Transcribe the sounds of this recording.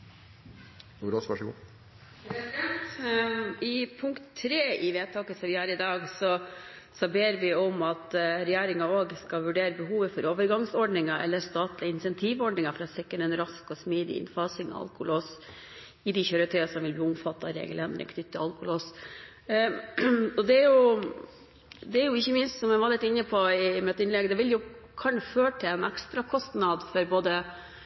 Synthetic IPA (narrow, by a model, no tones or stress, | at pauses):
oɾɔsʋæʂɔɡṵː | ɛsɛnt̪ | ɪpʰʊŋkt̪ʰːɾeːɪʋeːt̪ʰɑːkəsɔmʋɪhɑːɾɪd̪ɑːɡsɔ | sɔbeːɾʋɪɔmɑt̪ɾɛjæːɾɪŋɑoːɡskɑʋʉɖeːɾəbəɦuːʋəfɔɾoːʋəɾɡɑŋsɔɖɳɪŋɑʔɛ̰lːəst̪ɑːt̪lɪəɪnsɛnt̪ʰiːʋɔɖnɪŋɑfɾɑːsɛkːənɛnɾɑskɔsmiːd̪ɪ̰ɪ̰nfɑːsɪŋɔ̰ɑ̰lkʊloːs | ɪd̪ɪçøɾət̪ʰœʏɑsɔmʋɪlbliːʊmfɑt̪ːɑɾḛːɡəlɛnd̪̰ɾə̰kʰnʏt̪ːɪɑlkʊloːs | ɔd̪ɛæɾjʊ | d̪ɛæɾjʊɪçːəmɪnst̪sɔmɛnʋɑɾlɪt̪ːɪnːəpʰɔɪmɛt̪ɪnlɛɡd̪ɛʋɪljʊ | kʰɑɳføːʈʰɪlɛnɛkst̪ɾɑkʰɔst̪nɑd̪fɔɾboːd̪ə